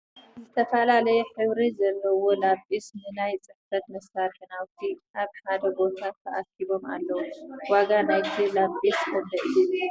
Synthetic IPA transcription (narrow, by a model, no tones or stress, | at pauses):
zɨt̪ʰɐfɐlalɐjɛħɨβɾizɐlːɐwo̞lafʔisnɨnajt͡sʼɨħfɐt̪mɐsaɾħɨnawt̪ʰiaβħad̪ɐbo̞t̪ʰat̪ʰɐʔakʰːiβo̞ma̰lːɐwuwaɡanajt̪ʰilafʔiskʰɐmbɐʔɨju